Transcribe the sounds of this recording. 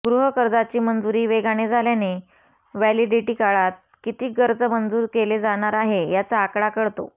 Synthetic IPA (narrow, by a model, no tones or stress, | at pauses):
ɡɾuɦəkəɾd͡zat͡ɕiːmənd͡zuɾiːʋeɡaɽ̃ed͡zʱaljane | ʋæliɖiʈiːkaɭat̪̚ | kit̪iːɡəɾd͡zəmənd͡zuːɾkeled͡zaɽ̃aɾaɦejat͡saːkɽakəɽt̪o̰